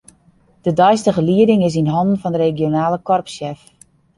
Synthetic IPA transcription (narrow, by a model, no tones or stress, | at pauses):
d̥ədɔjstəɣəliədɪŋɪs̬inɦɔndən̩fɔndəɾeɡjonaːləkɔrpsɛf